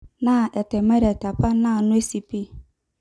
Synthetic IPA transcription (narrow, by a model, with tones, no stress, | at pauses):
nã˨ʔɛ˨tɛ˨mɛ˦ɾa˨tʰa˨pa˦nã˦˨nʊ̃˦e˦si˨pi˦